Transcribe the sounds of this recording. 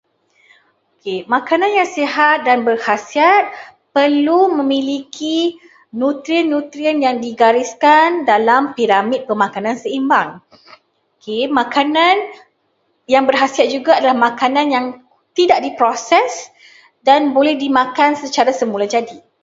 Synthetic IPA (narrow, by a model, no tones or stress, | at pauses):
okʰemãkanãnjaŋseɦat̪̚danbərhasiat̪̚ | pərlumə̃mĩlikʰi | nũt̪ɾianːũt̪ɾianjaŋdiɡaɾiskandalampiɾamid̚pəmãkanãnsəimbaŋ | okʰemãkanãn | jaŋbərɦasiat̪̚d͡ʒuɡaːdalahmãkanãnjaŋ | t̪idaʔ̚dipɾosɛs | danbolɛhdimãkansət͡ʃaɾasəmulad͡ʒadi